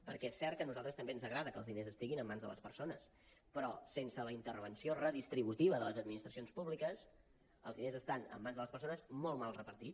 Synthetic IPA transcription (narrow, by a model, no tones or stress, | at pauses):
pəɾkɛesːɛrt̪kənuzalˠt̪ɾəst̪əmbeənzəɣɾaðəkəlˠzðinezəst̪iɣinəmːanzðə̰lə̰spəɾsonəs | pɾɔsensələint̪ərβənsiorəðist̪ɾiβut̪iβəðələzəd̪minist̪ɾəsionspuβlikəs | əlˠzðinezəst̪anə̰mːanzðələspəɾsonəzmɔlˠmalˠrəpəɾt̪i